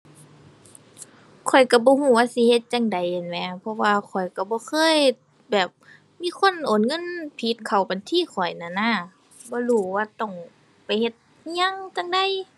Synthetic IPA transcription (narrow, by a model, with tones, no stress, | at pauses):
kʰɔ˨˩jka˧˩bɔː˧˦huː˧˩waː˧˨si˧˦he˧˦t̪̚t͡ɕa˧˨ŋda˨jhe˨˩nmɛ˧˥pʰɔ˧waː˧kʰɔ˨˩jka˧˩bɔː˧˦kʰɤː˧˥˨j | bɛː˨˩p̚ | miː˧˥˨kʰo˧˥˨nʔoː˨nŋɤ˧˥˨npʰi˧˦t̪̚kʰa˨˩wba˨nt̪ʰiː˧˨kʰɔ˨˩jna˧˨na˧˥˨ | bɔː˧˦luː˧˩waː˧t̪ɔ˧˩ŋ | pa˨˩jhe˧˦t̪̚ | ɲa˧˥˨ŋt͡ɕa˧˨ŋda˨˧˨j